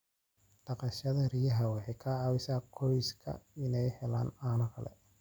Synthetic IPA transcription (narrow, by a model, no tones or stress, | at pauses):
ɖ̥ɐqɑʃɐðɐrijɐɦɐwɛħɛkʰɐawɪsaːkʰɔjɪskʰɐ̰ɪnɛjhɛla̰ːnaːnɔkʰɐlɛ̰